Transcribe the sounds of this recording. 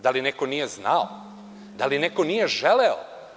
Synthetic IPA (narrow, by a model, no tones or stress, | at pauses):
d̪alineko̞nije̞znao | d̪alinekonije̞ʒeleo̰